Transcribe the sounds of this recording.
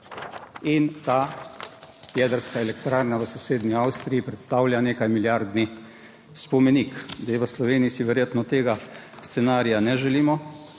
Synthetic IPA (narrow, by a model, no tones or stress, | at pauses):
int̪aː | jɛd̪əɾskaelɛkt̪ɾaɾnaʋəsɔseːd̪niawst̪ɾijipɾɛt̪st̪awljaneːkajmiljaɾd̪ni | spɔmenikd̪ajɛʋəslɔʋeːnijisiʋɛɾjeːt̪nɔt̪eːɡa | st̪sɛnaːɾijanɛʒɛliːmɔ